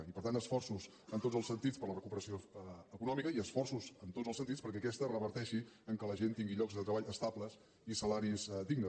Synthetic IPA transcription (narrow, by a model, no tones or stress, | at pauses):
ipəɾt̪anəsfɔrsuz | ənt̪odd͡zəlˠsənt̪it͡spəɾlərəkupəɾəsioəkunɔmikəiəsfɔrsuzənt̪odzəlˠsənt̪it͡sspəɾkɛəkɛst̪ərəβəɾt̪ɛʃiəŋkələʒent̪iŋɡiʎɔɡzðət̪ɾəβaʎəst̪abləs | isəlaɾizd̪iɡnə